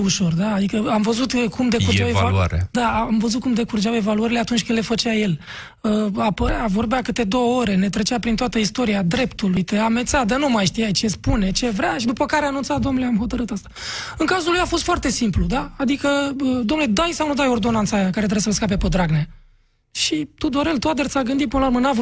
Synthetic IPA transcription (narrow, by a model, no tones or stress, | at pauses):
uʃo̞rd̪aːd̪ikəamvəzut̪kumd̪ekuɾd͡ʒaevaa̰ɾ̰d̪aːmvəzut̪kumd̪e̞kurd͡ʒawe̞valuəɾile̞at̪unt͡ʃʲkɨnlefət͡ʃaje̞l | əapəɾavo̞rbeakɨt̪e̞d̪o̞wəo̞ɾe̞ne̞t̪ɾe̞t͡ʃeapɾint̪oat̪əist̪o̞ɾiad̪ɾe̞pt̪ulujt̪eamet̪sad̪ənumajʃt̪ijajt͡ʃe̞spune̞t͡ʃe̞vɾʲaʃid̪upəkaɾeanunt̪sat̪d̪o̞mnuleamho̞t̪əɾɨt̪ast̪ḁɨŋkazulujafost̪foart̪e̞simplud̪aːd̪ikəəd̪o̞mnuled̪ajsawnud̪ajo̞rd̪o̞nant̪sajakaɾet̪ɾesəlskap̬e̞pod̪ɾaɡnea | ʃit̪ud̪oɾe̞lt̪uat̪d̪ərt̪saɡɨnd̪ipɨnluɾmənav